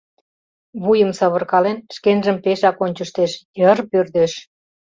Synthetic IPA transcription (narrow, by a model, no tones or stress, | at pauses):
βujəmsɑβə̆rkɑlenʃkenʒəmpeʃɑkonʲt͡ɕəʃt̪eʃjərpørd̪eʃ